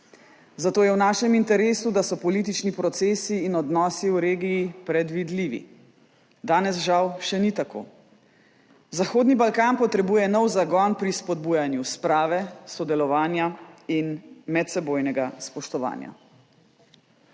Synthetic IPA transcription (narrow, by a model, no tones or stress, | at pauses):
zat̪oːjɛwnaːʃɛmint̪ɛɾeːsud̪asɔpɔliːt̪̬it͡ʃnipɾɔt̪seːsiːnɔd̪nɔːsiwɾeːɡiipɾɛd̪ʋid̪liːʋḭ | d̪aːnɛsʒawʃɛnit̪ako̰ː | zaxoːd̪nibalkaːnpɔt̪ɾɛbuːjɛnɔwzaɡɔnpɾispɔd̪buːjanjuspɾaːʋɛsɔd̪ɛlɔʋaːnjainmɛt̪sɛboːjnɛɡaspɔʃt̪ɔʋa̰ːnja̰